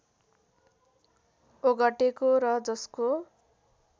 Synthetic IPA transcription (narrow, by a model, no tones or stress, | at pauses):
oɡʌʈekoɾʌd͡zʌsko